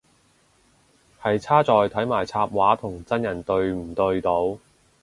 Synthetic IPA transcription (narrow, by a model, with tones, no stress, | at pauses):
hɐ˨jt͡sʰaː˥t͡sɔː˨jt̪ʰɐ˨˥jmaː˨˩jt͡sʰaː˧p̚waː˨˥t̪ʰʊ˨˩ŋt͡sɐ˥njɐ˨˩nt̪ɵ˧ɥm̩˨˩t̪ɵ˧ɥt̪o˨˧w